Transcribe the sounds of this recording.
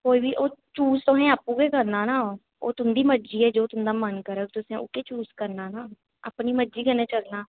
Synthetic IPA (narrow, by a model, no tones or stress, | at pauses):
koːiːbiːʔoːt͡ʃuːst̪oɦɛ̃ːaːpũːkeːkəɾnaːnaː | o̰ːt̪ʊmd̪iːməd͡ʒiːɛːd͡ʒoːt̪ʊmd̪aːmənkəɾəːkt̪ʊsẽːʊ̰keːt͡ʃuːskəɾnaːnaː | ə̰pniːməd͡ʒiːkənẽːt͡ʃəlnaː